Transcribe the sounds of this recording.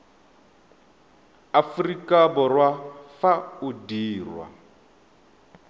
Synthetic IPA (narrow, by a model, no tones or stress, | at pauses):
afurikabɔrwafaudiːrwa̰